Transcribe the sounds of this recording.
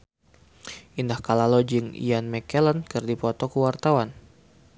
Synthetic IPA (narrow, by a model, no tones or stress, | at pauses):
ʔindahkalalɔd͡ʒɨŋḭanmɛkɛlankɨrdipɔt̪ɔkəwart̪awan